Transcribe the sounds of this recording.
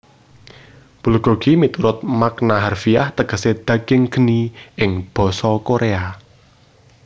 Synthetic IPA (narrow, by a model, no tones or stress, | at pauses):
b̥ulɡ̥o̤ɡ̥imit̪uɾʊt̪̚maknaɦarfiaht̪əɡ̥ə̤sed̪̥ä̤ɡ̥ɪŋɡ̥ə̤niʔɪŋb̥ɔ̤sɔkoɾʔea